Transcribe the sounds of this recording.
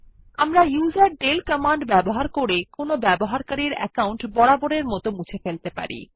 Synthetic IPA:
amɾajuzaɾɖelkɔmaɳɖbɛboɦaɾkoɾekonobɛboɦaɾkaɾiɾɛ̰kawɳʈbɔɽaboɽeɾmɔt̪omut͡ɕʰefelt̪epa̰ɾḭ

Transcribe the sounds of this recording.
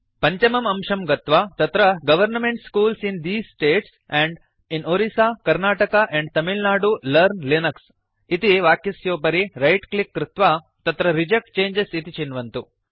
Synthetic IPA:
pɐɲt͡ʃɐmɐmɐmʃɐmɡɐt̪ʋaːt̪ɐt̪ɾɐɡɐʋɐɾnmeɳʈskuːlsind̪iːsʈeːʈs | ɛ̃ɳɖ | inoɾisaːkɐɾnaːʈɐkaʔɛ̃ɳɖ̚t̪ɐmilnaːɖulɐɾnlinɐks | it̪iʋaːkjɐsjoːpɐɾiɾɐjʈklikːɾɪt̪ʋaː | t̪ɐt̪ɾɐɾid͡ʒɐk̚ʈ̚t͡ʃeːɲd͡ʒesit̪it͡ʃinʋɐnt̪u

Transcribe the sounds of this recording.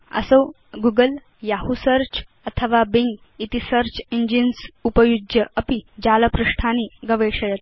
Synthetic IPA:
ə̰səw | ɡuɡəl | jaɦusəɾt͡ɕ | ət̪ʰəʋabiŋɡ | it̪isəɾt͡ɕiɲd͡ʑinsupəjud͡ʒjəʔɐpid͡ʑaləpɾuʂʈʰaniːɡəʋeɕɐjət̪̚

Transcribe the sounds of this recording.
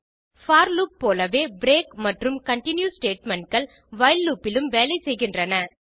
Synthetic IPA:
faːɾluːp̚ːoːlɐʋeːbɾeːkmɐʈrɯmkɐɳʈɪnjusʈeːʈmɛɳʈ̚kɐɭ | ʋɐɪlːuːpːɪlɯmʋeːlɐɪsɛjɣɪndrɐnɐ

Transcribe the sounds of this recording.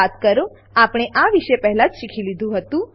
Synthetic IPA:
at̪kəɾo | apɽ̃eʔaʋiʃepəɦɛlãd͡ʒʃikʰilid̪ʱũɦət̪ũ

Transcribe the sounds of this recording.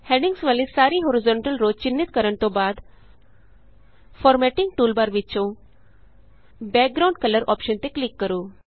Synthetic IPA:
hɛ̃ɽiŋɡsʋalisaɾiːɦoɾizɔ̃ɳʈəlɾod̚t͡ɕinːit̪̚kəɾəɳt̪obad̪ | fɔɾmɛʈiŋɡ̚ʈuːlbaɾʋit͡ɕõ | bɛk̚ɡɾaw̃ɳɖkələɾʔɔ̰pɕənt̪eklikːəɾuː

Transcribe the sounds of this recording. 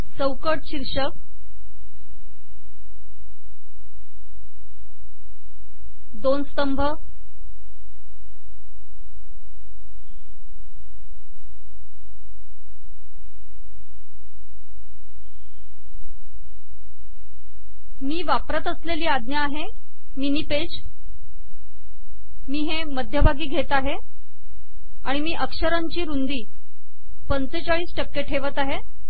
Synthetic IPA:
t͡səwkəʈɕiɾʂək | d̪onst̪əmbʱə | miːʋapɾət̪əsleliːad̪njaːɦe | miniːped͡ʑ | miːɦeməd̪ʱjəbʱaɡiːɡʱet̪aɦe | aɽ̃imiːʔəkʂəɾaɲt͡ɕiːɾund̪iː | pənt͡set͡ɕaɭiːsʈəkːeʈʰeʋət̪aɦe

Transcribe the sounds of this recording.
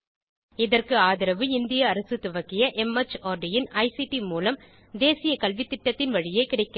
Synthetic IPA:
ɪðɐrkɯaːðɪɾɐʋɯɪnd̪ɪjɐːɾɐsɯt̪ʊʋɐkːɪjɐʔɛmɐt͡ʃaːɾɖɪjɪnɐɪsiʈimuːlɐm | d̪eːsɪjɐkɐlʋɪt̪ːɪʈːɐt̪ːɪnʋɐɻɪjɐɪkɪɽɐɪkːɐ

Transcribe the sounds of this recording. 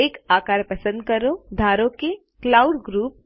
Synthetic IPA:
eːkaːkaːɾpɐsə̃nd̪̚kɐɾod̪ʱaːɾõke | klaːʊɖɡɾuːp̚

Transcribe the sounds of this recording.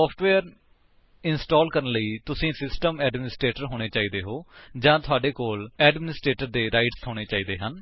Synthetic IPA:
ɔːpʰʈʋeːɾ | ɪnsʈɔːlkəɾənləiːt̪ʊsĩːsɪsʈəmɛːɖmɪnɪsʈɾeːʈəɾɦoːɽ̃eːt͡ʃaːiːd̪eːɦoːd͡ʒãːt̪ʰʊaːɖeːkoːlɛːɖmɪnɪsʈɾeːʈəɾd̪eːɾaːɪʈsɦoːɽeːt͡ʃaːiːd̪eːɦən

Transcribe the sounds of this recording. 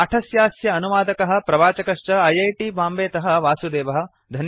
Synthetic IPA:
ɐʈʰɐsjaːsjɐːnuʋaːd̪ɐkɐɦɐ̆pɾɐʋaːt͡ʃɐkɐʂt͡ʃɐɐjɐjʈiːbaːmbeːt̪ɐɦɐ̆ʋaːsud̪eːʋɐɦɐ̆ | d̪ʱɐn

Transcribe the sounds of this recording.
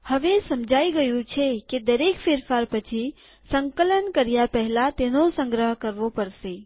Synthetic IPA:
hɐʋesɐmd͡ʒʱaːiɡɐjũt͡ʃʰeked̪ɐɾeːkfeːɾfaːɾpət͡ʃʰi | sə̃ŋkələnkəɾijapɛɦlat̪enosə̃ŋɡɾəɦkəɾʋopɐɾseː

